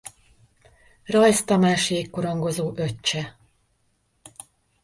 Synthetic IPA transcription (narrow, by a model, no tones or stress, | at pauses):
rɒjst̪ɒmaːʃieːkːoɾo̞ŋɡo̞zoːʔø̞t͡ʃːɛ